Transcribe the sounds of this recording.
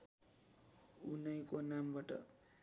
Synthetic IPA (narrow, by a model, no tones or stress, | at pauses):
unʌjkonambaʈʌ̰